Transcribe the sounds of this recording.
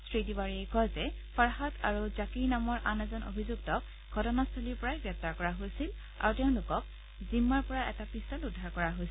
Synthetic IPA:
sɹitibaɹiejkɔlzɛ | paɹɦatʰaɹuzakiɹnamɔɹʔanɛzɔno̰bʱizuɡtɔk | ɡʱɔtɔnastʰoliɹpɔɹajɡɹɛp̚taɹkɔɹaɦojsil | a̰ɹutɛʊ̃lʊkɔk | zimːaɹpɔɹaʔɛtapisɔludʱːaɹkɔɹaɦojs

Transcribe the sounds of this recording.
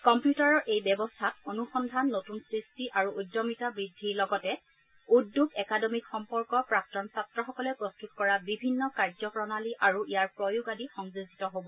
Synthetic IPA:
kɔmpjutaɹɔʔejbɛbɔstʰatonuxɔndʱanːotunsɹistiʔaɹuudɔmitabɹidʱiɹlɔɡɔtɛ | udːuɡɛkadɔmikxɔmpɔɹkɔpɹak̚tɔnsatɹɔxɔkɔlɛpɹɔstut̚kɔɹabibʱinːɔkaɹzɔkɹɔnaliʔaɹuijaɹpɹɔjuɡadixɔŋzuzitɔɦobɔ

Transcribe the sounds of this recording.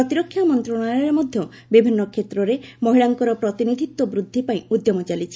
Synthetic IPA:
ɾɔt̪iɾɔkʰːjamɔnt̪ɾɔɽ̃ajɔɾemɔd̪ʱjɔ | bibʱinːɔkʰet̪ɾɔɾemɔɦiɭaŋkɔɾɔpɾɔt̪inid̪ʱit̪wɔbɾud̪ʱːipaĩud̪jɔmɔt͡ʃalit͡ʃʰi̥

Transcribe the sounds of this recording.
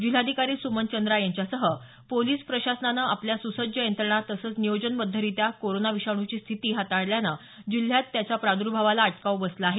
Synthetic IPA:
d͡ʑil̤ad̪ʱikaɾiːsumənt͡ɕənd̪ɾajaɲt͡ɕjasəɦə | poliːspɾəɕasnanaʔapljasusəd͡ʑʱjəẽnt̪ɾəɳat̪əsəːt͡snijod͡ʑənbəd̪ʱːəɾit̪jakoɾonaʋiɕaɳ̃ut͡ɕiːst̪ʰit̪iːɦat̪aɽljana | d͡ʑil̤jat̪ːjat͡ɕapɾad̪uɾbʱaʋalaːʈkaʋbəsləaɦe

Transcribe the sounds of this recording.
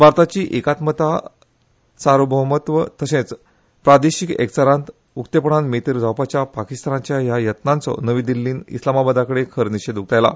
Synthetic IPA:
bʱaɾt̪at͡ɕiːʔekat̪mət̪a | saɾubʱəɦmət̪ʋət̪əɕẽt͡s | pɾad̪eɕikḛkt͡saɾãnt̪ | ukt̪epəɳãnmet̪iɾd͡zʱawpat͡ɕjapakist̪anat͡ɕjajajət̪nãnt͡sɔ̰nəʋĩd̪ilːiːnḭslamabad̪akəɽekʰəɾniɕed̪uk̚t̪ajla̰

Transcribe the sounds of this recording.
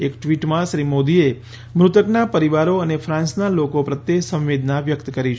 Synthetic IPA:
ekʈʋiʈmãʃɾimod̪ie | mɾut̪əknapəɾiʋaɾoənefʰɾãnsnalokopɾət̪jesə̃mʋed̪ʱnaʋjəkt̪kəɾit͡ʃʰ

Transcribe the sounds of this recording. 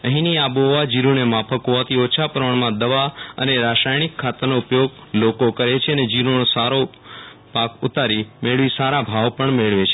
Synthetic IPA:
əɦĩniaboʋad͡ʒiɾunemapʰəkoat̪ʰiot͡ʃʰapəɾʋəɳmãd̪əʋaə̰neɾaʃajnikʰːat̪ənoʊpjoɡlokokəɾet͡ʃʰeəned͡ʒiɾonosaɾo | pakʊt̪aɾimeɭʋisaɾabʱaʋpəɳmeɭʋet͡ʃʰe

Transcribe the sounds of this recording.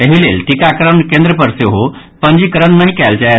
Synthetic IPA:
əɦilelʈikakəɾəɳkẽnd̪ɾəpəɾseɦo | pəɳd͡ʑiːkəɾəɳnaɦĩkɛlt͡ɕa

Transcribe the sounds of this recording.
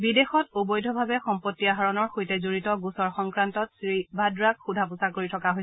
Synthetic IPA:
bidexɔt̚obɔjdʱɔbʱabɛxɔmpotːiaɦaɹɔnɔɹxojtɛzoɹitɔɡusɔɹxɔŋkɹantɔtsɹibʱadɹakxudʱapusakoɹitʰɔkaɦoj

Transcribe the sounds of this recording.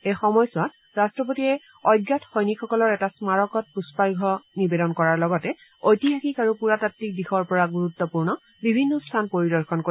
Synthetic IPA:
ejxɔmɔjsʊwat | ɹastɹɔpotiɛ | ɔjɡjatxɔjnikʰːɔkɔlɔɹɛtasmaɹɔkɔt̚puspajɡʱɔnibedɔnkɔɹaɹlɔɡɔtɛ | ojtiɦaxikaɹupuɹatatːik̚dixɔɹpɔɹaɡuɹutːɔpuɹnɔ | bibʱinːɔstʰanpoɹidɔɹxɔnko

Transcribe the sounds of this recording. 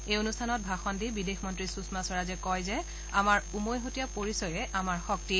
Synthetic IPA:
ejonustʰanɔt̚bʱaxɔndibidexmɔntɹisusmasɔɹazɛkɔjzɛ | amaɹumojɦotijapoɹisɔɹɛʔamaɹxɔk̚ti

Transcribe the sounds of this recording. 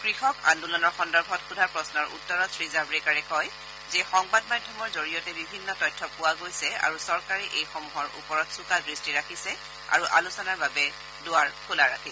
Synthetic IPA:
kɹixɔka̰ndulɔnɔɹxɔndɔɹbʱɔtxudʱaɹpɹɔsnɔɹʔṵtːɔɹɔtʰɹizaɹbɹɛkaɹɛkɔj | zɛxɔŋbadmadʱːɔmɔɹzoɹijɔtɛbibʱinːɔtɔjtʰːɔpʊwaɡojsɛa̰ɹusɔɹkaɹiʔejxɔmuɦɔɹʔṵpɔɹɔtsukadɹistiɹakʰisɛ | a̰ɹuʔa̰lusɔnaɹbabɛ | dʊaɹkʰolaɹakʰisɛ

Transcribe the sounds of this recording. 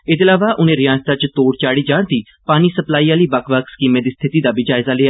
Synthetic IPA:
ɪd̪eːlaːʋaːʔʊnẽːɾɪjaːnst̪aːt͡ʃt̪oːɽt͡ʃaːɽiːd͡ʒãːɳt̪iː | paːniːsəplaːiːaːliːbəkʰʋakskiːmeːd̪iːst̪ʰɪt̪iːd̪aːbiːd͡ʒaːɪzaːleːa

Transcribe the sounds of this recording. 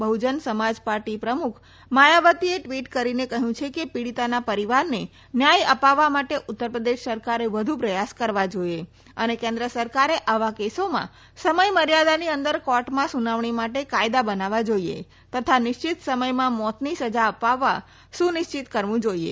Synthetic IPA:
bəɦud͡ʒənsəmad͡ʒpaɾʈipɾəmukʰ | majaʋət̪ieʈʋiʈkəɾinekəɦjũt͡ʃʰekepiɽit̪anapəɾiʋaɾne | njajəpaʋːamaʈeʔʊt̪ːəɾpɾəd̪eʃsəɾkaɾeʋəd̪ʱupɾəjaskəɾʋad͡ʒoje | ənekẽnd̪ɾəsəɾkaɾeʔaʋakesomã̰ | səməjməɾjad̪aniənd̪əɾkɔʈmãsunaʋɳimaʈekajd̪abənaʋad͡ʒoiḛ | t̪ət̪ʰanɪʃt͡ʃɪt̪səməjmãmɔt̪nisəd͡ʒaəpaʋːa | ʃũnɪʃt͡ʃit̪kəɾʋũd͡ʒoiḛ

